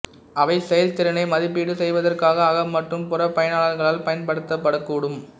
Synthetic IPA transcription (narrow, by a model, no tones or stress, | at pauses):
ɐʋɐɪsɛjɐlt̪ɪɾɐnɐɪmɐðɪp̬ːiɽɯsɛjʋɐðɐrkaːɣɐːɣɐmɐʈrɯmpʊrɐpɐjɐnaːɭɐːlɣɐɭaːlpɐjɐnpɐɽɯt̪ːɐpːɐɽɐkːuːɽɯm